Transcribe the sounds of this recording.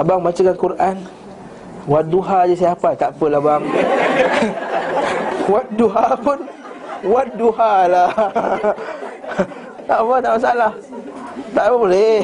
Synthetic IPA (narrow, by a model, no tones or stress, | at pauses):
abaŋmat͡ʃakankuɾʔan | wat̪̚duɦad͡ʒəsajapat̪aʔpəlabaŋ | wat̪̚duɦapun | wat̪̚duɦala | t̪aʔpat̪aʔmas̬aalah | t̪aʔapabolɛ